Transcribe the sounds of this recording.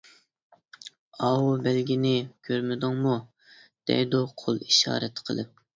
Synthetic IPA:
ɑːwubælɡʲinɪkʲʰøɾmɪd̪ʊŋmu | d̪̥ɛ̰jd̪uqʰolˠiʃɑ̰ːɾɛt̪qʰəlˠɨp̚

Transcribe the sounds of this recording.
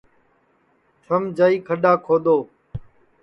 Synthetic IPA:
t͡ʃʰəmd͡ʒaːiːkʰəɗaːkʰoːd̪oː

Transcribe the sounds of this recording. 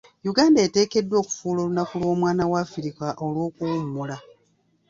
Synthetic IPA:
juɡaːndaete̞ːke̞dːwo̞ːku̥fuːlo̞lunakulwo̞ːmwaːnawafiɾikaʔo̞lwo̞ːkuumːula

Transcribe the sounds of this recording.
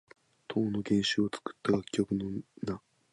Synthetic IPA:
t̪ʰo̞ːno̞ɡẽ̞ɰ̃ɕɨot͡sɨ̥kɯ̟̥t̪ːaɡakʲːo̞kɯ̟no̞na

